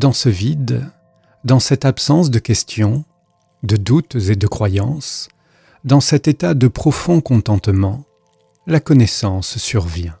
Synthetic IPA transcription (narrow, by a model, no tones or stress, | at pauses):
d̪ɑ̃səvid̪ | d̪ɑ̃sɛt̪apsɑ̃sd̪əkʲɛst̪jɔ̃ | d̪əd̪ut̪zed̪əkχwajɑ̃s | d̪ɑ̃sɛt̪et̪ad̪əpχɔfɔ̃kɔ̃t̪ɑ̃t̪mɑ̃ | lakɔnɛsɑ̃sːyʁvjɛ̃